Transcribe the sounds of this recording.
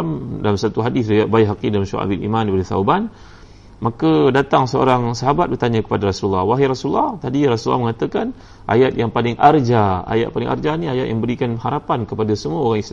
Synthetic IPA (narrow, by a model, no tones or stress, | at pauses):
mda̰lamsat̪uɦadɪsdajaʔbaiɦakidalmʃṵka̰bilḭmãndipadət̪a̰uban | makədat̪aŋsəo̰ɾaŋsaɦabat̪̚bərt̪aɲə̃kə̥padaɾasulːahwaɦiɾasulːɔht̪adiɾasulːɔ̰hməŋat̪əkan | ʔa̰jat̪̚jaŋpalɪŋʔard͡ʒaa̰ja̰t̪̚palɪŋʔa̰rd͡ʒaniajat̪̚jʔambəɾikanhaɾapankəpadasəmuəoɣaŋis